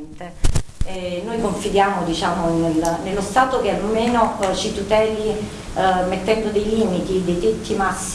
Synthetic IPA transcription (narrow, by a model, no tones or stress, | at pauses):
nt̪eɛnːojkoɱfid̪jaːmod̪it͡ʃaːmonelnelːost̪aːt̪ok̟ealmeːnot͡ʃit̪ut̪ɛːli | met̪ːɛnd̪od̪ejliːmit̪id̪ejt̪et̪ːimasː